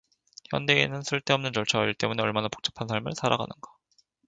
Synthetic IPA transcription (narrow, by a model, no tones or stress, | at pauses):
çjʌnde̞enɯnsʰɯɭt͈eʌmnɯnt͡ɕʌɭt͡ɕʰaɡaɾiɭt͈e̞mune̞ʌɭmanapo̥k̚t͡ɕ͈ḁpʰansʰaɭmɯ̰ɭsʰaɾa̰ɡa̰nɯnɡḁ